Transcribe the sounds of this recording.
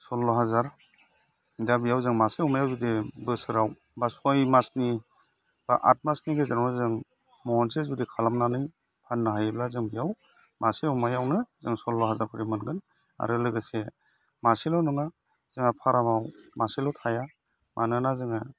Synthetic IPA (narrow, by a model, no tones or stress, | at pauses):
sɔlːɔɦazaɾ | dabijawzɯŋmaseumajawdidebɯsɯɾaw | basɔjmasni | b̥a̰ʔa̰t̚masniɡezaɾawnazɯŋ | mɔɔnsezudikʰalamnanɯj | pʰanːɯɦajblazɯŋbijaw | maseumajawnɯzɯŋsɔlːɔɦazaɾpʰɯɾimɯnɡɯn | a̰ɾɯlɯɡɯse | maselawnɯŋa | z̥ɯŋapʰaɾamawmasilɔwtʰaja | manɯnazɯŋa